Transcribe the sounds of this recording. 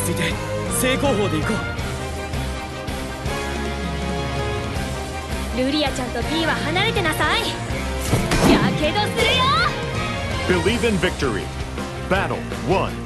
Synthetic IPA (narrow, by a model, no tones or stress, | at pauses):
sit̪eseːkoːɦoːd̪eikɯ | ɾɯɾʲijat͡ɕãnt̪o̞bʲiːβahanaɾe̞t̪e̞nasai | jakeːd̪oːsɨɾɯjo | b̥ɪliːvɨ̃nvɪk̚tə˞ḭ | b̥æɾl̩ˠ | wʌ̃n